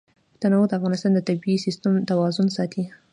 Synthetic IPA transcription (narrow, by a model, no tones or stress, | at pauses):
t̪anawod̪əafɣɑnɪst̪ɑnd̪ət̪abiisist̪amt̪awɑzʊnsɑt̪ʰi